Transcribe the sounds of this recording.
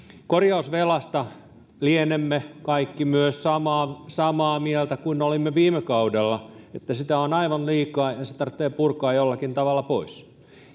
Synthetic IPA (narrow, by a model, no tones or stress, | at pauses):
korjɑusʋelɑst̪ɑ | lienemːekɑikːimyøssɑmɑːsɑmɑːmielt̪ækuinːolimːeʋiːmekɑudelːɑet̪ːæsit̪æonɑiʋɑnliːkɑːjɑset̪ɑrt̪ːˑeːpurkɑːjolːɑkint̪ɑʋɑlːˑɑpois